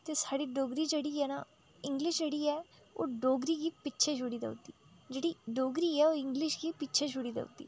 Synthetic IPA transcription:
t̪eːsaːɽiːɖoːɡɾiːd͡ʒeːɽiːɦɛːna̰ | ɪ̃ŋɡlɪʃd͡ʒeːɽiːɛː | o̰ːɖoːɡɾiːkiːpɪtːʃʰeːʃʊɽiːd̪ə̰ʊt̪iːd͡ʒeːɽiːɖoːɡɾiːɛːoːɪ̃ŋɡlɪʃkiːpɪtːʃʰeʃʊɽiːd̪ḛʊ̰t̪ḭː

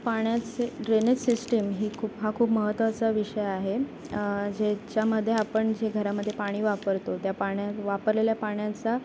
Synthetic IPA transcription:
paɳ̃jat͡seɾenetsisʈəmɦiːkʰuːpɦakʰuːpməɦət̪ːʋat͡saʋiʂəjaɦe | d͡ʑet͡ɕjaməd̪ʱːjeapəɳd͡ʑeɡʱəɾaməd̪ʱjepaɽ̃iːʋapəɾt̪ot̪japaɳjaʋapəɾleljapaɳjat͡sa

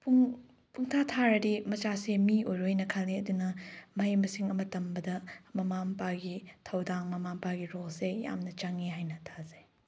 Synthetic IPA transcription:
puŋ | pʰuŋtʰatʰaɾɐdimɐt͡ʃasemiojɾojnɐkʰalniɐdunɐmɐɦijmɐsiŋɐmɐtɐmbɐdɐmɐmampaɡitʰɐwdaŋmɐmampaɡiɾolseja̰mnɐt͡ʃaŋiɦajnɐtʰazej

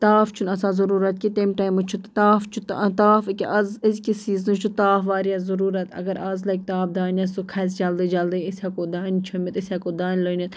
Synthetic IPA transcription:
t̪aːft͡ʃʰunɐsaːzɐɾuːɾɐt̪̚kit̪emʈaːjmut͡ʃʰut̪t̪aːft͡ʃʰut̪t̪aːfɨkʲiʔɐzəzkisiːzɨt͡ʃʰut̪aːfʋaːɾiɐzɐɾuːɾɐt̪ɐ̰ɡɐɾɐzlɐjk̚ʲt̪aːfd̪aːnʲɐsukʰɐsd͡ʒɐld̪id͡ʒɐld̪əisʲakoːd̪aːnʲt͡ʃʰɐmit̪ɪsʲakoːd̪aːnʲləːnʲit̪

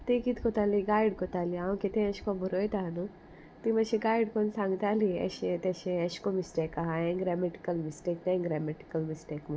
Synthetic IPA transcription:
t̪ikit̪kot̪aːliɡaːiɖkot̪aːliãw̃ket̪ẽɐʃkobuɾoːjt̪aɦnu | t̪imɐʃeɡaːiɖkonsãːŋɡt̪aːliɐ̰ʃet̪eʃeɐʃkomisʈekaɦaẽɡɾɛmeʈi̥kɐlmisʈeːk̚t̪ẽɡɾɛːmeʈi̥kɐlmisʈeːkmũ

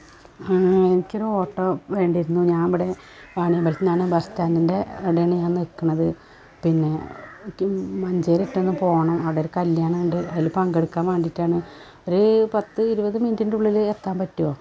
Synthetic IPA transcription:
aenikʲːoɾuo̞ːʈːoːʋe̞ːɳɖiɾunːuɲaːnɐʋiɽe̞ | ʋaːɳijɐmbɐlt͡ɕːinaːɳɨbɐstaːndinde̞ɐɽeɳijaːnnekːuɳɐðɨ | pinːe̞ | mɐɲd͡ʑeːɾetːenːɨpo̞ːɣɐɳɐmɐʋiɽeoɾukɐljaːɳɐuɳɖɨʔɐðilpɐŋɡeɽɨkːaːmʋeːɳɖitːaːɳɨ | o̞ɾupɐt̪ːɨiɾubɐðɨmindinɖuɭːilet̪ːaːmpɐtːujoː

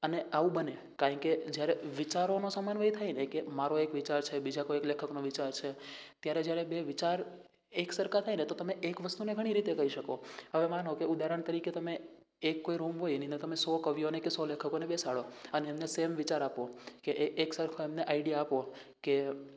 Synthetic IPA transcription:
əneaʋũbəne | kaɾə̃ŋked͡ʒjaɾeʋit͡ʃaɾonosəmanʋəit̪ʰainekemaɾoekʋit͡ʃaɾt͡ʃʰebid͡ʒakoeklekʰəknoʋit͡ʃaɾt͡ʃʰet̪jaɾed͡ʒjaɾebeʋit͡ʃaɾ | eksəɾkʰat̪ʰajnet̪ot̪əmeʔekʋəst̪uneɡʱəɽ̃iɾit̪ekəɦiʃəkoɦəʋemanokeud̪aɾəɳ̃t̪əɾiket̪əmeː | kːoiɾumɦojnĩnd̪əɾt̪əmesɔkəʋjonekesɔlekʰəkonebesaɭoəneːmnesemʋit͡ʃaɾapokeʔːksəɾkʰoemneʔaiɖijaːpo | ke

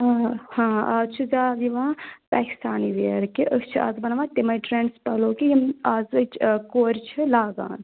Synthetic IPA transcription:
hãːaːzt͡ʃʰuzaːd̪iʋãːpaːki̥st̪aːniːʋeɾkiʔəkt͡ʃʰia̰ːzbɐnaʋãːt̪emɐjʈɾeːɳɖspɐloːkijɐmaːzt͡ʃʰkoːɾʲt͡ʃʰɨlaːɡa̰ːn

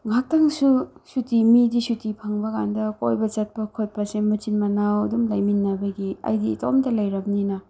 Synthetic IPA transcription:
ŋak̚taŋsusutimidisutipʰaŋbɐkandɐkojbɐt͡ʃɐt̚pɐkʰot̚pɐsemut͡ʃinmɐnawɐdumlajminːɐbɐɡiɐ̰jdiːto̰wmtɐlajɾɐmninɐ

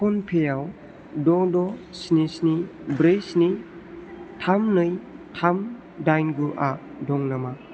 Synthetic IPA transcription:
pʰɔnpʰejaw | dɔdɔsnisnibɾejsni | tʰamnɯjtʰam | dajnɡuʔa | dɔŋnama

